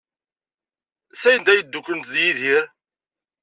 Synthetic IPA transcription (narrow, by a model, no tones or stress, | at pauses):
sæjənd̪æjəd̪ːukːənt̪ðjiðiɾ